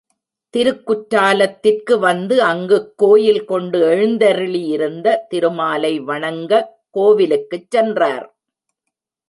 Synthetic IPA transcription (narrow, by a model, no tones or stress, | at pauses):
t̪ɪɾɯkːʊʈːaːlɐt̪ːɪrkɯʋɐnd̪ɯɐŋɡɯkːoːjɪlkɔɳɖɯɛɻɯnd̪ɐɾɯɭijɪɾɯnd̪ɐt̪ɪɾɯmaːlɐɪʋɐɳɐŋɡɐ | koːʋɪlɯkːɯt͡ʃːɛndraːɾ